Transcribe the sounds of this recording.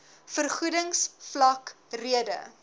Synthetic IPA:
fərχudəŋsflɐkriədə̰

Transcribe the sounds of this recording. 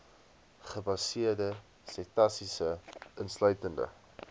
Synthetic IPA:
χəbɐsiərdə | setɐsisəənslœɥtəndə̰

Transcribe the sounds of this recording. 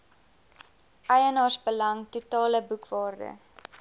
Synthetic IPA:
ʔɐjənɑːsbəlɐŋtutɑːləbukvɑːrdə̰

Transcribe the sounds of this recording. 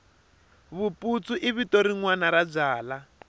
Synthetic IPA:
βupʼut͡suʔiβitoɾiŋwanaɾad͡zaːla

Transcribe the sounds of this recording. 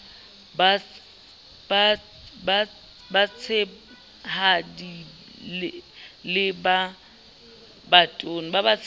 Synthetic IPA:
ba | ba | ba | bat͡sʰe | hadi | lɪlɪba | batʼon̩babat͡sʰ

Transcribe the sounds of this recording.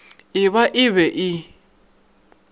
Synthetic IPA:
ɪβaʔɪβɛʔɪ

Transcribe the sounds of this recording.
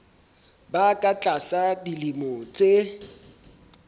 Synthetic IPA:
bakʼat͡ɬʼasadilimɔt͡sʼe

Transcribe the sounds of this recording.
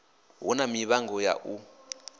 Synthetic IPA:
ɦɔnamiβaŋɡɔja̰ʔu

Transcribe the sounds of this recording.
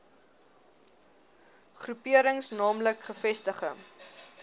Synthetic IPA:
χrupiəɾəŋsnɑːmləkχəfɛstəχə̰ŋ

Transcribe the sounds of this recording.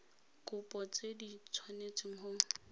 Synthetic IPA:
kʼʊpʼɔt͡sʼedit͡sʰwanet͡sʼɪŋ̩ɦoŋ̩

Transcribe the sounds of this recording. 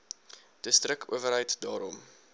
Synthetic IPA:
d̥əstrəkʰṵəvəɾɦəjtdɑːɾɔm

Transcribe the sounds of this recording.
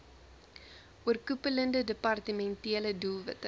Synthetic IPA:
uərkupələndədəpɐrtəmɛntiələdulˠvətə

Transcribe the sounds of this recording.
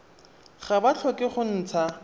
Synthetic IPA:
χabat͡ɬʰɔkʼɪχʊn̩ːt͡sʰa

